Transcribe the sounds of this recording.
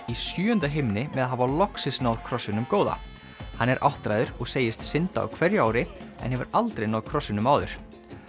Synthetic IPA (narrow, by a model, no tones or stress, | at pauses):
isjyːʏnt̪aɦejmnɪmɛðaðɦaːvawlɔksɪsnawðkʰɾɔsɪnʏmkoːwða̰ | hanːɛɾʔa̰wht̪ɾajðʏɾɔɣseːjɪst̪sɪnt̪a̰a̰wkʰvɛɾjaːwɾɪɛ̰nhɛvʏɾalt̪ɾejnaːwðkʰɾɔsːɪnʏmaːwðʏ̰ɾ̥